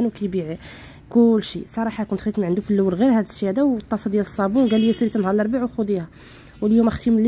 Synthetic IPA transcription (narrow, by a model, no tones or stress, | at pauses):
nuwkæjbiʕi | kʊlːʃisˤɑɾˤɑħɑkʊnt̪it̪mʕənd̪ufilːæwːəlɣiɾhæd̪əʃhæd̪æwt̪ˤːɑsˤɑd̪jæləsˤːɑbunɡælijæsilit̪ənhɑɾˤlɑɾˤbaʕuxʊd̪ihæ | wəljumʔæxt̪iml